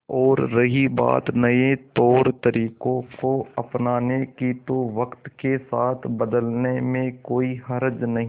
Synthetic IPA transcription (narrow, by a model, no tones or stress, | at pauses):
ɔːɾːɐɦiba̰ːt̪nɐet̪ɔːɾt̪əɾiːkõkoɐpnaːnekit̪oʋɐkt̪kesaːt̪ʰbəd̪əlnemẽkoːiɦɐɾd͡ʒnɐɦĩ